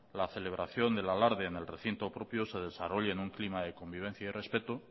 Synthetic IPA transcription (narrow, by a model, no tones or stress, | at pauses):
laθe̞le̞β̞ɾaθjo̞nd̪e̞lalaɾðeːne̞lre̞θint̪o̞pɾo̞pjose̞ð̞e̞saro̞ʎaenuŋklimaðe̞ko̞mbiβ̞e̞n̟θjaire̞spe̞t̪o